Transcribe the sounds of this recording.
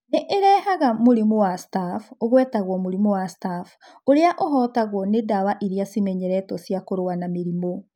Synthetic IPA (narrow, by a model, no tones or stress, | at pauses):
neʔeɾɛhaɣamoɾimowastafoɣwɛːtaɣwɔmoɾimowastaf | oɾeaʔoɦɔtaɣwɔnedawaʔiɾeasimɛɲɛɾɛtɔsjakoɾowanameɾimo